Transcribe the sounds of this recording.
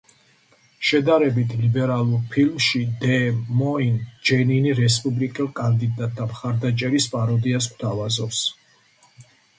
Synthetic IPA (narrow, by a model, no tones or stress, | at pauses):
ʃɛd̪aɾɛbit̪ʰlibɛɾalˠuɾpʰilmʃid̪ɛmɔind͡ʒɛniniɾɛspʼublikʼɛlˠkʼand̪id̪at̪̚ʼd̪amχaɾd̪at͡ʃʼɛɾispʼaɾɔd̪ias̬kʰt̪ʰavazɔps